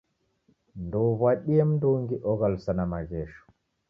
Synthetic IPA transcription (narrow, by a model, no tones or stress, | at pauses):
ndɔwwaɗijɛmndoŋɡiʔɔɡalsanamaɡɛːʃɔ̥